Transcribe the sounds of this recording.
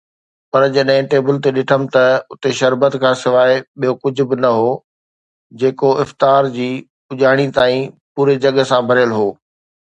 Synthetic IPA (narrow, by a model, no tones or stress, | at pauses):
pɐɾd͡ʑɐɗɦɪ̃ʈeːbɪlt̪eɗɪʈʰəmɪ̆t̪ɐʊt̪eʃɐɾbət̪kʰãːsɪʋaːeɓijokʊd͡ʑʱʊ̆bɪnɐɦoː | d͡ʑeːkoɪft̪aːɾd͡ʑiː | ʊʄaːɽ̃it̪aːĩpuːɾed͡ʑɐɠsãbʱɐɾɪjəlɦoː